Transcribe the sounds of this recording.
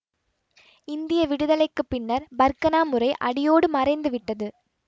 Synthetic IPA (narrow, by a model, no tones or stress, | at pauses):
ɪnd̪ɪjɐʋɪɽɯðɐlɐɪkːɯpːɪɳːɐɾbɐɾkɐnaːmɯrɐɪʔɐɽɪjoːɽɯmɐrɐɪnd̪ɯʋɪʈːɐðɯ